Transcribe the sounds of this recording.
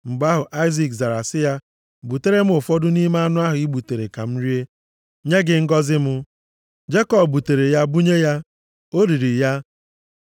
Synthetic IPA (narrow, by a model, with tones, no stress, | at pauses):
m̩˨ɡ͡ba˦ɦʊ˨ʔa˦ɪ˦zi˨kza˨ɾa˨sɪ˦ja˦ | bu˨te˦ɾe˦m̩˦ʊ˨fɔ˦dʊ˦ni˦ma˦a˦nʊ˦a˦ɦʊ˨i˦bu˨te˨ɾe˨ka˨m̩˦ɾi˦e˦ | ɲe˦ɡɪ˨ŋ̩˦ɡɔ˦zɪ˦mʊ˦ | d͡ʒe˦kɔ˨bbu˨te˨ɾe˨ja˦bu˦ɲe˦ja˦ | o˦ɾi˨ɾi˨ja˦